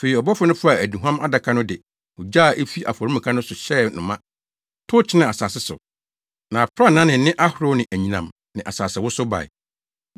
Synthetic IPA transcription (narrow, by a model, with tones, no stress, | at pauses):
fe˨i˨ɔ˨bɔ˦fʊ˦nʊ̃˦fʊ˦a˨æ˨dĩ˨ɦã˦ma˦da˨kʰa˦nʊ̃˦dɪ˨ | ʊ˨d͡ʑaː˦˨ʔe˦fi˦ʔa˨fɔ˨ɾi˦mĩ˨kʰa˦nʊ̃˦sʊ˨ɕɛ˦nʊ̃˨mã˦ | tʰʊ˦t͡ɕʰɪ˦nã˨a˨saː˨sɪ˦sʊ̰˨ | nã˨fɾa˦nã˦nɪ̃˨˦nɪ̃˦ʔa˦hʊ˨ɾʊ˦nɪ̃˨ʔæ˨ɲĩ˨nã˨m | nɪ̃˨ʔa˨saː˨sɪ˨wʊ˦sʊ˦ba̰˨ɪ̰˨